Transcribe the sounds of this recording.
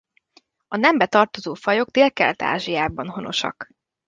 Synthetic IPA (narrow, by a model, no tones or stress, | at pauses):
ɒnɛmbɛt̪ɒrt̪o̞zoːfɒjo̞k̚t̪eːlkɛ̰lt̪a̰ːʒijaːbɒnɦo̞no̞̰ʃɒ̰k